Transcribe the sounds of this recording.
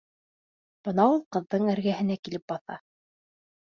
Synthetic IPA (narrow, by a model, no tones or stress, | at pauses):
b̥ɤnɑulˠqɤ̆ðːɤɴæɾɡæɦɘ̆nækilɘp̚bɑθɑ̰